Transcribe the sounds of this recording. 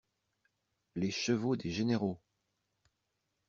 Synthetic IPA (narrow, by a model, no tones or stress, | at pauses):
leʃəvod̪eʒeneʁo